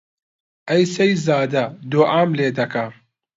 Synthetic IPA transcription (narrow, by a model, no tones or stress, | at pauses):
ʔɐjsɐjzaːd̪ɐd̪oːʔaːmleːd̪ɐkʰɐ